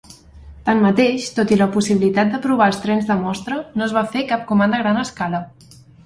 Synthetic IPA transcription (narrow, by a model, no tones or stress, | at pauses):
t̪ammːət̪eʃt̪ot̪iləpusiβilit̪at̪̚d̪əpɾuβ̞aəlˠst̪ɾɛnzðəmɔst̪ɾənozβafekap̚kumand̪əɣɾanəskalə